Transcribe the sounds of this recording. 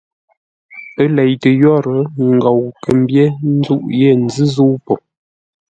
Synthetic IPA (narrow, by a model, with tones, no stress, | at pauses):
ə˦lɛ˨jtə˨jɔ˦ɾə˨˦ŋ̩˨ɡɔ˨wkə˨m˦bje˦n̩˦zu˦ʔje˦˨n̩˨zɨ˦zu˦wpɔ˨